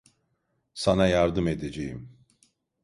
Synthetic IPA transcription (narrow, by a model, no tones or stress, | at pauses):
sanajaɾd̪ɯmed̪ed͡ʒejim